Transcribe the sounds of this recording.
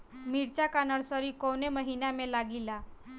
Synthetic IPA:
miɽt͡ɕjakanəɽsəɾiːkowneməɦinjamelaɡila

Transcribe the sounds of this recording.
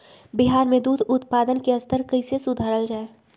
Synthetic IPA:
biɦaːɾmẽd̪uːd̪ʱʊt̪paːd̪ənkeɐst̪ʰəɾkəɪsesʊd̪ʱaːɾəld͡ʒaːe

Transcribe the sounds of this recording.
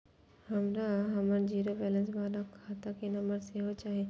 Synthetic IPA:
hɐmɾaɦɐməɾd͡ʒiːɾobɛːlənsbaːɾakʰaːt̪akenɐmbəɾseɦot͡ʃaːɦe

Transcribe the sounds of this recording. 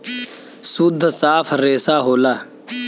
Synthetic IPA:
sʊd̪ʱːsaːpʰɾeːsaːɦoːlaː

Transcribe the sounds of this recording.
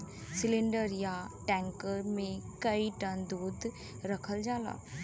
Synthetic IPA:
sɪlɪ̃ɳɖəɾjaʈɛ̃ːŋkəɾmẽkɐiʈə̃nd̪uːd̪ | ɾɐkʰəld͡ʒaːla̰ː

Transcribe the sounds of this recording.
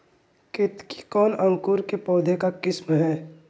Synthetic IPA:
kɪt̪ki̥kɔːnə̃ŋkʊɾkepɔːd̪ʱekakɪsmɦɛː

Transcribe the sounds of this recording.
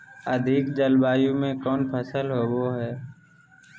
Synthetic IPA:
əd̪ʱɪkd͡ʒəlbaːjõmẽkɔːnpʰəsəlɦoːboɦɛː

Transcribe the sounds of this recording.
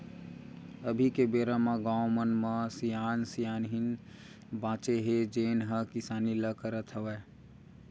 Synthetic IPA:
əbʱikebeːɾamãɡaːwmənmãsijaːnsijaːnɦɪn | bãːt͡ʃeɦed͡ʒeːnɦəkɪsaːniləkəɾət̪ɦəʋɛː

